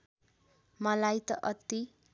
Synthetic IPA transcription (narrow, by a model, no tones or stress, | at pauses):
mʌlajt̪ʌʔʌt̪i